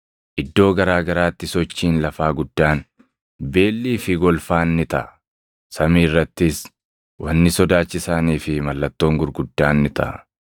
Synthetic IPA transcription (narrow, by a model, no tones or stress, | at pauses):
ʔɪd̪ːo̞ːɡɐɾaːɡɐɾaːt̪ːɪsɔt͡ʃːiːnlɐfaːɡʊd̪̥ːaːn | be̞ːlːiːfɪɡɔlfaːnːɪt̪ɐ̰ʔ | sɐmiːrːɐt̪ːɪs | wɐnːɪsɔd̪aːt͡ʃːɪsaːniːfɪmɐlːɐt̪ːo̞ːŋɡʊɾɡʊd̪ːaːnːɪt̪ɐ̰ʔ